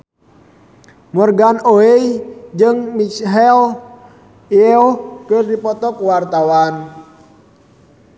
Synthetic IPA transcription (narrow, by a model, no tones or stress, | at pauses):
mɔrɡanoeid͡ʒɨŋmit͡ʃɦɛl | iɔkɨrdipɔt̪ɔkuwart̪awan